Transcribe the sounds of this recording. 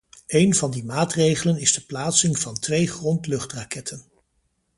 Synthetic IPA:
ejnvɑndimaːtrejχələnɪzdəplaːtsɪŋvɑntʋejχrɔntlɵχtrakɛtʰən

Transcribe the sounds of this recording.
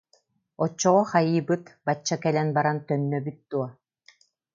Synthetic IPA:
ɔt͡ɕːɔʁɔχajɯːbɯt̪bat͡ɕːakɛlɛnbaɾant̪œnːœbyt̪̚d̪̥uɔ

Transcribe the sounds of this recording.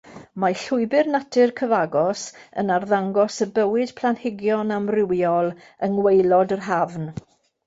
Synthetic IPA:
maɬʊɨbɪrnatʰɪrkʰəvaɡɔsə̰narðaŋɡɔsəbəwɪd̥pʰlˠanhɪɡjɔnamrɪwjɔlˠ | əŋwejlˠɔdərɦavn

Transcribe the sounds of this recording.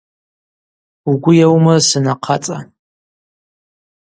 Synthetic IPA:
uɡʷʊjawmasɨnaqʰat͡sʼa

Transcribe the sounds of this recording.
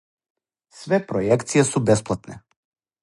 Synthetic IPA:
svɛpɾɔjɛkt̪sijasubɛsplˠat̪nɛ

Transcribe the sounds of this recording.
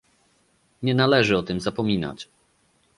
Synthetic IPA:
ɲɛnalɛʐɘɔt̪ɘmzapɔmʲina̰t͡ɕ

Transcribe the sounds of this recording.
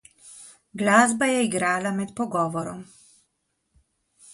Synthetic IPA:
ɡlaːzbajɛiɡɾaːlamɛt̪pɔɡɔːʋɔɾɔm

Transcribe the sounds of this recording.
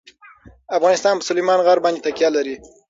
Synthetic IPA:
afɣɑnɪst̪ɑnpəsʊlejmɑnɣaɾbɑnd̪it̪akjɑlaɾi

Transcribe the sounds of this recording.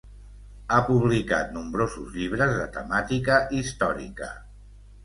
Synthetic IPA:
apuβ̞lika̰t̪̚numbɾozuzʎiβ̞ɾəzðət̪əmat̪ikəʔist̪ɔɾḭkə̰

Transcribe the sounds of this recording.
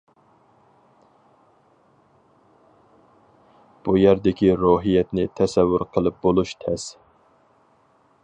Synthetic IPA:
b̥ujæɾd̪ɪkʲiɾoɦijɛt̪nɪt̪ʰɛsɛwːʊɾqʰəlˠɨp̚bolˠuʃt̪ʰɛs

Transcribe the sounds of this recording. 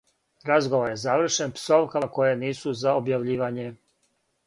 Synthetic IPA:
ɾazɡoʋoɾje̞zaʋr̩ʃe̞npso̞ʋkako̞jeniːsuzaobjaʋʎiːʋaɲe̞

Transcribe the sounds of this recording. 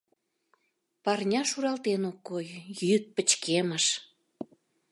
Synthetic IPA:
pɑrnʲɑʃuɾɑlt̪enokːojjyt̪̚pət͡ɕkʰeməʃ

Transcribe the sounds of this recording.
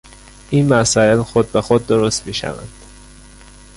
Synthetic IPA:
ʔiːnmæsɒːelxod̪̚bexod̪ːoɾost̪miːʃæ̰væ̰nd̪̥

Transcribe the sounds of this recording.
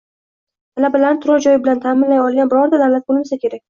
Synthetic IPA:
t̪ʰalabalanɪt̪ʰʊɾɒd͡ʒɒjɪbɪlant̪ʰamɪnlajɒlˠɡʲanbɪɾɒɾd̪alalat̪̚bolˠmasakʲʰe̞ɾak̚ʲ

